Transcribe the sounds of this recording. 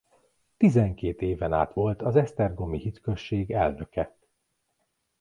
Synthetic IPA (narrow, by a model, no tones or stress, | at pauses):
t̪izɛŋkeːt̪eːvɛna̰ːt̪ʋo̞lt̪ɒzɛst̪ɛrɡo̞mihit̪kø̞ʃːeːɡɛlnøkɛ